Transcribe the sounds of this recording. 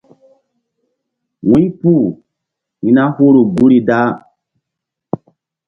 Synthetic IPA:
wĩ˦pu˦˨ | hĩ˨na˦hu˦ɾu˨ɡu˦ɾi˨da˦

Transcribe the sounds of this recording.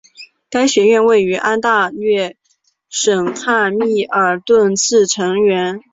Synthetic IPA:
ka˥ɪɕɥɛ˧˥ɥɛ˥˧nwe˥˩ɪy˧˥ʔa˥nt̪a˥˧lɥɛ˥˩ | ʂə˨˩ŋkʰa˥˩˧mi˥˩ə˞˧˥t̪wə˥˧nt͡sʰɹ̩˥˩ʈ͡ʂʰɤ˧˥ŋɥɛ˧˥n

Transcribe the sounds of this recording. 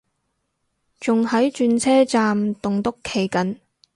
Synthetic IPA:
t͡sʊ˨ŋhɐ˨˥jt͡ʃyː˧nt͡sʰɛː˥t͡saː˨mt̪ʊ˨ŋt̪ʊ˥kʰːe˨˩jkɐ˨˥n

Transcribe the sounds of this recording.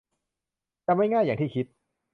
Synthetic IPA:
t͡ɕa˧mːa˥˩jŋaː˥˩jaː˨˩t̪ʰiː˥˩kʰi˦˥t̪̚

